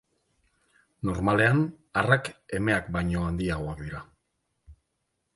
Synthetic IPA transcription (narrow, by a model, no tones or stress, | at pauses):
no̞ɾmale̞an | arake̞me̞akbajɲo̞and̪iaɣo̞akd̪iɾa